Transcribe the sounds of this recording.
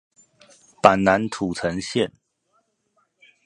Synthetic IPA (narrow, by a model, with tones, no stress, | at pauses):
pa˨˩nna˧˦nt̪ʰu˨˩t͡sʰə˧˦ŋɕjɛ˥˨n